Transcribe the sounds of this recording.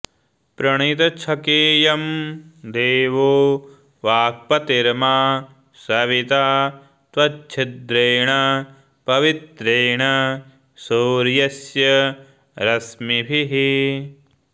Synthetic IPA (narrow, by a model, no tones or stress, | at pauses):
pɾɐɳ̃it̪ɐt͡ʃʰɐkeːjɐmd̪eːʋoː | ʋaːk̚pɐt̪iɾmaː | sɐʋit̪aː | t̪ʋɐt͡ʃːt͡ʃʰid̪ɾeːɳɐ | pɐʋit̪ɾeːɳɐ | soːɾjɐsjɐ | ɾɐsmibʱiɦi